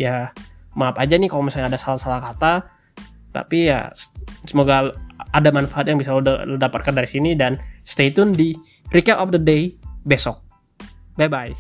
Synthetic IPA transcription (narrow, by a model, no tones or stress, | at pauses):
jamaapad͡ʒanɪkalomisaɲaːdasalasalahkat̪a | t̪a̰pija̰ssəmoɡaadamanfaat̪jaŋbisallədapat̪̚kandaɾisinidanst̪et̪ʊndi | ɾikɛʔɔfdədejbesɔk̚ | bajbaj